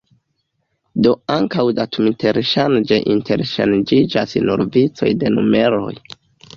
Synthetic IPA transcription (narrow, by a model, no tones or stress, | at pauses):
do̞aŋkawdatʰumitʰe̞ɾʃand͡ʒeʔintʰe̞ɾʃand͡ʒid͡ʒasnṵɾvit͡so̞̰jde̞nume̞ɾo̞̰j